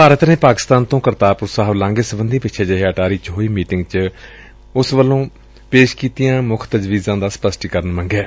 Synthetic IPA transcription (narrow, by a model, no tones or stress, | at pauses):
paːɾət̪neːpaːkɪ̥st̪aːnt̪õːkəɾt̪aːpɾʊsaːəʋlãːŋɡeːsəbənd̪iːpɪtːʃʰeːd͡ʒəɦeəʈaːɾiːt͡ʃɦoːiːmiːʈɪŋɡt͡ʃ | ʊsʋəlːõː | peːʃkiːt̪ijãːmʊkʰt̪əd͡ʒʋiːzãːd̪aːspəsʈiːkəɾənmə̃ŋɡɛː